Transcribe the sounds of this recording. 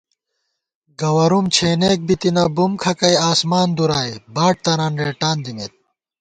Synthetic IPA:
ɡɐwɐɾumt͡ɕʰeːneːk̚bit̪inɐbumkʰɐkɐjaːsmaːnd̪uɾaːjbaːʈ̚t̪ɐɾaːnɾeːʈaːnd̪imeːt̪̚

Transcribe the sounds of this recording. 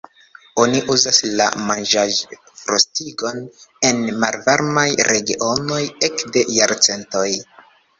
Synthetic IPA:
o̞niʔuzasla̰mand͡ʒaʒ | fɾostiɡo̞ne̞nmalvaɾmajɾʔe̞ɡiʔo̞no̞je̞kde̞jaɾt͡se̞nto̞j

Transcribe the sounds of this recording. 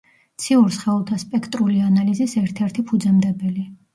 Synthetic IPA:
t̪sʰiuɾsχɛulˠt̪ʰaspʼɛkʰt̪ʼɾulianalizisɛɾt̪ʰɛɾt̪ʰipʰud̪zɛmd̪ɛbɛli

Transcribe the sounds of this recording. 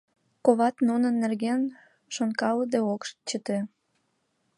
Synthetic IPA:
koβɑt̪nunənːerɣen | ʃonkɑləd̪eokʃt͡ɕət̪e

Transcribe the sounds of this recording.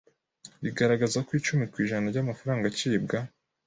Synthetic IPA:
βiɡaɾaɡazakwiːt͡ʃumikwiːʒanaɾɟamafaɾaːŋɡaciːbɡa

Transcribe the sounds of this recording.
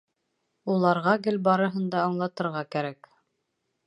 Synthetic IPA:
ulˠɑɾʁɑɡɘlbɑɾɤ̆ɦɤ̆nd̪ɑːɴlˠɑt̪ɤ̆ɾʁɑkæɾæk

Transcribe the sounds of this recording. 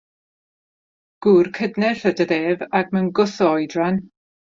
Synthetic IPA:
ɡ̥uːrkʰədnɛɬədədeːvakmənɡʊθɔjdran

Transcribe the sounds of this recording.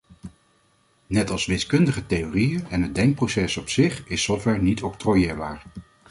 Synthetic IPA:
nɛtɑlˠsʋɪskɵndəχətejorijəɛnɦəd̚dɛŋk̚prosɛsɔpsɪχɪsɔfʋɛɹnitɔk̚trojɪːɹbaːɹ

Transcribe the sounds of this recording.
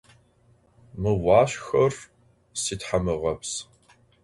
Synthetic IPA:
mɨwɑːɕxɐr | siːtħamɨʁɐps

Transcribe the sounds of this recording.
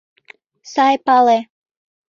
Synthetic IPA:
sɑjpɑle

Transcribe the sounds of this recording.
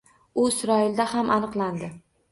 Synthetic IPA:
ʊɪsɾɒɪld̪ahamʔanɨqlˠand̪ɪ

